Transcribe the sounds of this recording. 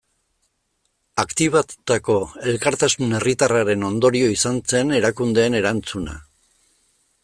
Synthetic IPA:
akt̪iβ̞at̪ut̪ako̞e̞lkaɾt̪asune̞rit̪araɾe̞no̞nd̪o̞ɾio̞isant͡se̞ne̞ɾakund̪e̞ːne̞ɾant͡suna̰

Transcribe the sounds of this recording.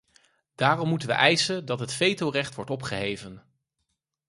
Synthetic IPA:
d̥aːrɔmːutənʋə̰ʔɛjsəndɑtɦətfejtorɛχtʋɔɹtɔpχəɦejvən

